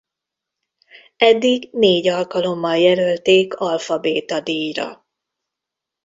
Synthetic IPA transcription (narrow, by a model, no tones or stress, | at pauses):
ɛd̪ːiɡneːɟɒlkɒlo̞mːɒljɛlølt̪eːkɒlfɒbeːt̪ɒd̪iːjrɒ̰